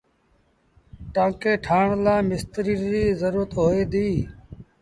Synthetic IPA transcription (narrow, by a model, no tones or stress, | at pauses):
ʈãːkeːʈʰaːɳlaːmɪst̪ɾiːɾiːzəɾuːɾət̪ɦoːeːd̪iː